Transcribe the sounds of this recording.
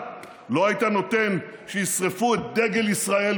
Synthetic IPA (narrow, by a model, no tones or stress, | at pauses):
lo̞hajit̪ano̞t̪enʃejisʁefuet̪̚d̪eɡelisʁael